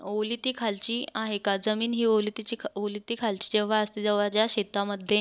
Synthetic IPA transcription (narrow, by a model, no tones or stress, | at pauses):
olit̪iːkʰalt͡ɕiːaɦekad͡zəmiːnɦiːolit̪it͡ɕiolit̪iːkʰalt͡ɕi̥ːd͡ʑeʋ̤aəst̪id͡zəʋad͡ʑjaɕet̪aməd̪ʱje